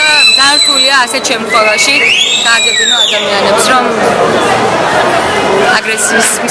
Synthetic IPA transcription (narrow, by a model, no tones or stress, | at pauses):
azaɾt̪ʰuliaːsɛʃʰɛmt̪χʰɛlaʃiɡ̥aːɡɛbinɔad̪amianɛpsɾɔm | aɡɾɛsiːs